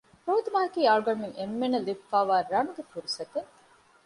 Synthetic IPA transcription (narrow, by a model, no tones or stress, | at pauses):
pɾoːd̪umaːɐkiːaːɭɡɐmiŋemːenelibfaːʋaːɾɐnuɡefuɾusɐt̪e